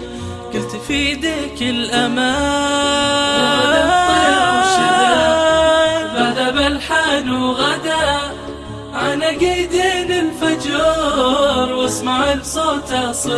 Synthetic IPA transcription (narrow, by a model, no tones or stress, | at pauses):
ɡ̥ʊlt̪fid̪ɪkɪlʔamaː | bad̪aalaʃɪa | bad̪abalħaːnuɣad̪a | ʕanaɡajd̪iːnɪlfad͡ʒuːɾwɪsmaʕɪlbsˤoːt̪asˤ